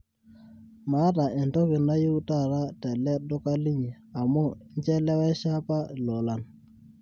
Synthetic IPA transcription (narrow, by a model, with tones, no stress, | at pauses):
ma˨˦ta˨ɛ˨ntɔ˦ɣi˨na˦ji˦u˦ta˦˨ɾa˦tɛ˨lɛ˦dɔ˦ka˦li˦ɲi˨a˨mɔ˦ɲd͡ʒɛ˦lɛ˦wɛ˦ʃa˦pa˦˨lɔ˨la˨n